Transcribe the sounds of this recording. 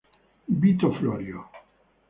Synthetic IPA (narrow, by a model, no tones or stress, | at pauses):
bit̪ɔflɔɾjo